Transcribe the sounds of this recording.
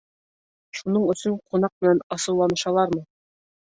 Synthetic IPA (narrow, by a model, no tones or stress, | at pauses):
ʃunɤɴɵ̆sɵɴqʰunɑq̚mɘ̆nænɑsɤ̆wlˠɑnɤ̆ʃɑlˠɑɾmɤ